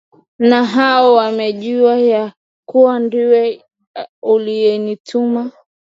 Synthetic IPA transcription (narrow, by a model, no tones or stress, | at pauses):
naɦaɔwamɛʄiwaja | kuwandiwɛ | ulijɛnitʰuma